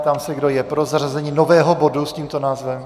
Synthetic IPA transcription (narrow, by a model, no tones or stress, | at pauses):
t̪amsɛɡdojɛpɾozarazɛɲiːnovɛːɦobo̞dusciːmt̪onaːzvɛm